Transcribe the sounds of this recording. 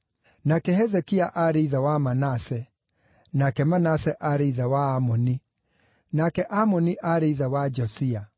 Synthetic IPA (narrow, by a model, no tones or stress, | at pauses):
nakɛɦɛzɛkiaʔaɾeiðawamanasɛ | nakɛmanasɛʔaɾeiðawaːmɔni | nakɛʔamɔniʔaɾeiðawad͡ʒɔsia